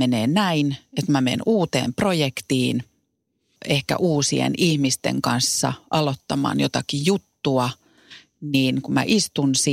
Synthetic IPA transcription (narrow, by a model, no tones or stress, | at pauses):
eneːnæinet̪mæmḛnuːt̪ḛːmprojekt̪iːn | ehkæ̰ʔuːsiḛnihmist̪ḛŋkɑnsːɑ̰ʔɑlot̪ːɑmɑ̰ːnjot̪ɑkijut̪ːuɑ | niːnkumæ̰ʔist̪unsi